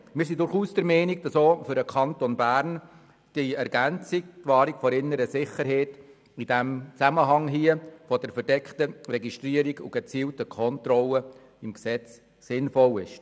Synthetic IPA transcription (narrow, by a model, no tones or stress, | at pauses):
mɪːɾs̬idʊɾχuːsd̥əɾmɛɪniɡ̚d̥ɑsoːfʏɾəkʰɑntɔnbæɾn | d̥iɛɾɡænt͡sik̚tʋɑːɾikfɔɾɪnːəɾəsɪχəɾɦɛːt | id̥æmt͡sæməɦɑŋɦiəfɔdəɾfəɾd̥ɛkχtəɾɛɡiʃtɾiəɾiɡṵɡ̥ət͡siːltəkʰɔntɾɔlə | ɪmksɛt͡s | sɪnfɔlɪʃ